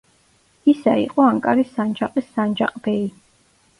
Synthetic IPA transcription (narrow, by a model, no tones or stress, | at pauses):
isaḭqʼɔaŋkʼaɾisand͡ʒaqʼisːand͡ʒa̰qʼbɛ